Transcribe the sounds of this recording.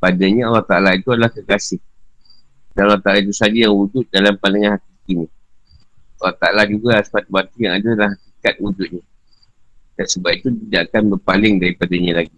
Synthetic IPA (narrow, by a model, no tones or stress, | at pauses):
padaɲaalːaht̪aʔalait̪uadalahkəkasɪh | danalːat̪aʔalait̪usad͡ʒajaŋud͡ʒʊt̪̚dalampaləŋanɦakikinĩ | alːaht̪aalad͡ʒuɡasə̥pat̪ubat̪ijaŋadalahɦakikat̪̚wud͡ʒʊt̪̚ɲa | d̥ansəbap̚it̪ut̪idaʔakanbərpalɪŋdaɾipadaɲalaɡi